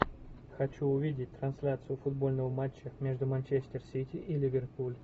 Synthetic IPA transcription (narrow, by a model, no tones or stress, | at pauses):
xɐt͡ɕuʊvʲidʲɪtʲt̪rɐnsʲlʲat̪sɨjʊfʊd̪bo̞lʲnəvəmat͡ɕːəmʲe̞ʐd̪ʊmɐnʲt͡ɕesʲtʲɪrsʲitʲiʔilʲɪvʲɪrt̪pulʲ